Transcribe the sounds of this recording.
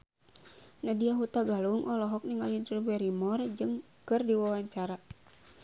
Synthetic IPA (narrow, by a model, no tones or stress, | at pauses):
nadiaɦut̪aɡaluŋʔɔlɔɦɔk̚niŋalint̪ɾubɛɾimɔrd͡ʒɨŋ | kɨrdiwawaɲt͡ʃaɾa